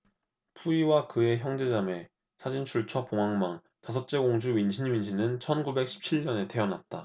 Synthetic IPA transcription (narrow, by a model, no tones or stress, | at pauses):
pʰuiwakɯe̞çjʌŋd͡ʑe̞d͡ʑame̞ | sʰad͡ʑint͡ɕʰuɭt͡ɕʰʌpoŋɦaŋmaŋ | tasʰʌt̚t͡ɕ͈e̞ɡoŋd͡ʑuɥinɕʰinɥinɕʰinɯnt͡ɕʰʌnɡube̞k̚ɕʰi̥p̚t͡ɕʰiɭɲʌne̞te̞ʌnat̚t͈a